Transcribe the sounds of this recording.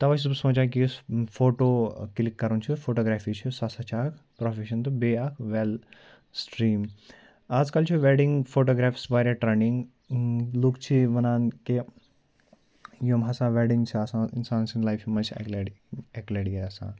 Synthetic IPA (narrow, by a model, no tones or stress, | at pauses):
t̪ɐʋat͡ʃʰiusõd͡ʑãk̬ifoʈoklikːɐɾunt͡ʃʰifoʈoɡɾafit͡ʃʰisasat͡ʃʰakʰpɾɔfeʃɐnt̪ubeakʰʋel | sʈɾiːm | ad͡zkalt͡ʃʰiʋeɽiŋɡfoʈoɡɾafsbaɾaʈɾeniŋɡ | lukt͡ʃʰiʋɐnanke | jomɦasãʋeɽĩŋɡt͡ʃʰiasãinsaːnsĩnlajfjimat͡ʃʰḭkleɛkleɽjeasã̰